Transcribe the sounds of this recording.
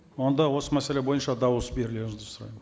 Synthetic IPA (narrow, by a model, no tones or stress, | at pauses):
wo̞nd̪ɑwo̞səmæse̞lebo̞jənʃɑd̪ɑwəsbe̞ɾɪle̞ʒd̪ɪsʊɾɑ̰jmə